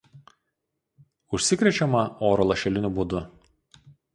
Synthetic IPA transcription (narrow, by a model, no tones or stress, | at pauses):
ʊʃʲsʲɪkɾʲɛt͡ʃʲɛmɐoːɾɔlˠɐʃʲɛlʲɪnʲʊbud̪ʊ